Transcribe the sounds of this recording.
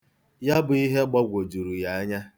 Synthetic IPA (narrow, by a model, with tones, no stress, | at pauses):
ja˦bʊ˨i˦ɦe˦ɡ͡ba˦ɡʷo˨d͡ʒu˨ɾu˨ja˨a˦ɲa˦